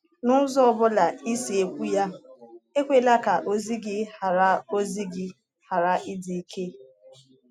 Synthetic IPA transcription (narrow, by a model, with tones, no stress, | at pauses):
nʊ˦zɔ˦ɔ˦bʊ˦la˨i˦si˨e˨kʷu˦ja˦e˦kʷe˦la˦ka˨ʔo˦zi˦ɡɪ˦ha˨ɾa˦o˦zi˦ɡɪ˦ | ha˨ɾa˨ʔɪ˦di˨i˦kʰe˦